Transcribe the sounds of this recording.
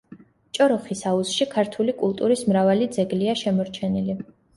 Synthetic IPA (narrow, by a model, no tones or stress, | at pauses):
t͡ʃʼɔɾɔχisausʃikʰaɾt̪ʰulikʼulˠt̪ʼuɾismɾavalid̪zɛɡliaʃɛmɔɾt͡ʃʰɛnili